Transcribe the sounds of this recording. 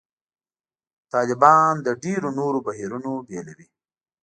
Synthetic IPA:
t̪ɑːlɪbɑnd̪əɖeɾonoɾobaɦiɾunobjɑlaɾi

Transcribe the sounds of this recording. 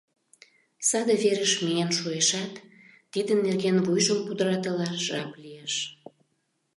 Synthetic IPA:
sɑd̪eβeɾəʃmienʃueʃɑt̪ː | id̪ənːerɣenvujʒəmpud̪əɾɑt̪əlɑʒɑplijeʃ

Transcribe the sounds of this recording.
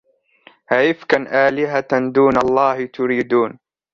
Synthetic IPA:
hajɪfkanʔaːlɪɦad̪uːnɑlˤːɑːhɪt̪ʊɾiːd̪uːn

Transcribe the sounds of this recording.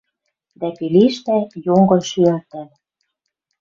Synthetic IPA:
d̪ækiliʃt̪æjoŋɡɤ̆ʃyært̪æ̆l

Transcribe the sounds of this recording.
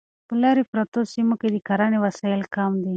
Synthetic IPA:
pəlɑɾepɾat̪osimoked̪əkaɾanewasɑɪlkamd̪i

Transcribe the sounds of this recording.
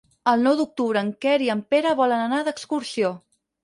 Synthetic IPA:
əlˠnɔwd̪uk̚t̪uβɾəːŋkɛɾiəmpeɾəβɔlənənaðəkskuɾsio

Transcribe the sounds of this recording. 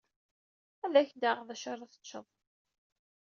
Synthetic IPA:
æðæçd̪aʁðæʃəɾˤɑθə̥t͡ʃːə̰ðˤ

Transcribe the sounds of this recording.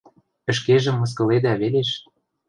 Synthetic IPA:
ə̆ʃkeʒĕmːɤ̆s̬kɤ̆led̪æβeleʃ

